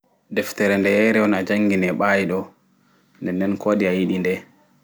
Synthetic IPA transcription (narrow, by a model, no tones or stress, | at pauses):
dɛftɛɾɛndɛjɛɾɛɔnad͡ʒaŋɡinɛɓaːjiɗɔ | ndɛndɛnkʰoːɗiajiɗindɛ